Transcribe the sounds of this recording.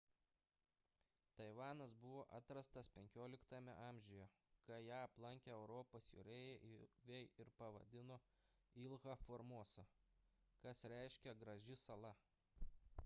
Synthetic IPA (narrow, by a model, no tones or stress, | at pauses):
t̪ɐɪʋɑːnɐsbʊʋoːʔɐt̪ɾɐst̪ɐspʲɛŋʲkʲoːlʲɪkt̪ɑmʲɛ̰ʔɑˑːmʲʒʲʊjɛkɐjæːɐplˠɐŋʲkʲɛɛʊɾɔːpoːsjʊ̰ɾʲeːjɛʔʋʲɛjɪɾpɐʋɐ̰d̪ʲɪnoː | ɪlˠɣɐfɔːɾmuɔsɐ | kɐsɾʲæˑɪʃʲkʲɛɡɾɐʒʲɪsɐlˠɐ